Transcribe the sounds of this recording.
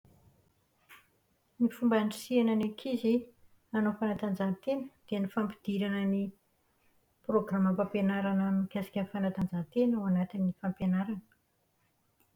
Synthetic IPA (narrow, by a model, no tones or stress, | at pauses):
nifumbaɳɖ͡ʐisiananakʰizi | anofanat̪and͡zat̪enəd̪̥eanifampi̥d̪̥iɾanəni | proɡraməpampenaɾanamikʲasḁkʲəfanat̪and͡ʒat̪enwanat̪inːifampenaɾanə